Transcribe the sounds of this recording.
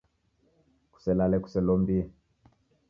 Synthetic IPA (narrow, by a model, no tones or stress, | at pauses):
ku̥sɛlalɛku̥sɛlɔmbiɛ